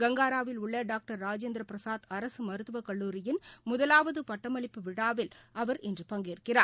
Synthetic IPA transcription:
ɡɐŋɡaːɾaːʋɪlʊɭːɐɖaːk̚ʈɐɾːaːd͡ʒeːnd̪ɾɐpɪɾɐsaːðɐɾɐsɯmɐɾɯt̪ːɯʋɐkɐɭːuːɾɪjɪnmʊðɐlaːʋɐðɯpɐʈːɐmɐɭɪpːɯʋɪɽaːʋɪlɐʋɐɾɪndrɯpɐŋɡeːɾɯkːɪraː

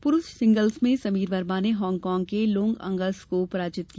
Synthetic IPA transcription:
pʊɾʊʃsɪ̃ŋɡəlzmẽsɐmiːɾʋɐɾmaːneɦɔːŋɡkɔːŋɡ̚kelõːŋɡɐ̰̃ŋɡəskopɾaːd͡ʒɪt̪̚ki

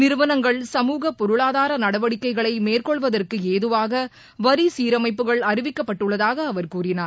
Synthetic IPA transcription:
nɪɾɯʋɐnɐŋɡɐɭsɐmuːɣɐpɔɾɯɭaːðaːɾɐnɐɽɐʋɐɽɪkːɐɪɣɐɭɐɪmeːrkɔɭʋɐðɐrkɯeːðɯʋaːɣɐ | ʋɐɾisiːɾɐmɐɪp̬ːɯɣɐɭɐɾɪʋɪkːɐpːɐʈːɯɭːɐðaːɣɐːʋɐɾkuːrɪnaːɾ

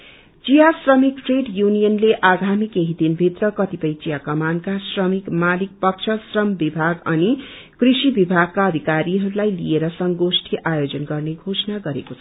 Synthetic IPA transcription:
t͡sijasrʌmik̚ʈreɖjunijʌnleʔaɡʱamikeɦid̪inbʱit̪rʌkʌt̪ipʌjt͡sijakʌmankasrʌmikmalik̚pʌkt͡ʃʰʌsrʌmbibʱaɡʌni | krisibibʱaɡ̚kːaʌd̪ʱikaɾiɦʌɾulajlḭeɾʌsʌŋɡosʈʰiʔajod͡zʌnɡʌrneɡʱosʌnaɡʌɾḛkot͡sʰʌ

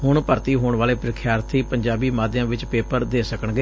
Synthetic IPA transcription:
ɦʊɳpəɾt̪iːɦoːɳʋaːleːpɾɪkʰjaːɾt̪ʰiːpəɲd͡ʒaːbiːmaːd̪ɪjãːʋɪt͡ʃpeːpəɾd̪eːsəkəɳɡeː

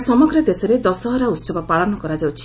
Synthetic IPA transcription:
sɔmɔɡɾɔd̪esɔɾed̪ɔsɔɦɔɾaut̪sɔbɔpaɭɔnɔkɔɾad͡ʒawt͡ʃʰi̥

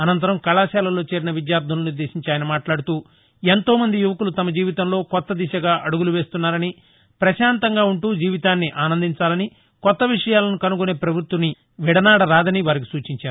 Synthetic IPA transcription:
ɐnɐnt̪ɐɾɐmkɐɭaːʃaːlɐlo̞ːt͡ʃe̞ːɾinɐʋid̪jaːɾd̪ʱɐnluniɾd̪e̞ːʃiɲt͡ʃaːjɐnɐmaːʈlaːɽut̪uː | ent̪o̞ːmɐnd̪ijuʋɐkulut̪ɐmɐd͡ʒiːʋit̪ɐmlo̞ːkɔt̪ːɐd̪iʃɐɡaːʔɐɽuɡuluʋe̞ːst̪unːaːɾɐni | pɾɐʃaːnt̪ɐŋɡaːuɳʈuːd͡ʒiːʋit̪aːnːiʔaːnɐnd̪ʱiɲt͡ʃaːlɐni | kɔt̪ːɐʋiʂɐjaːlɐnukɐnukune̞ːpɾɐbʱut̪ʋɐni | ʋiɽɐnaːɽɐɾaːd̪ɐniʋaːɾik̬i̥suːt͡ʃiɲt͡ʃaːɾu

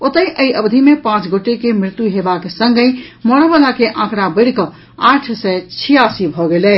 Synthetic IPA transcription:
ot̪əjʔəiʔəbd̪ʱimepãt͡ʃɡoʈekemɾɪt̪juɦebakesəŋɡəjmɔɾəbəlakeʔãkɽabəɽkə | aʈʰsɛt͡ʃʰijasibʱɔɡelɛ

